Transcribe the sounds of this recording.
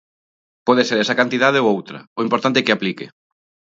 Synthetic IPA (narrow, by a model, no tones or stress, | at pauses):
pɔðeseɾɛsɐkant̪iðað̞eoowt̪ɾɐ̰oimpoɾt̪ant̪ekɪaplikḛ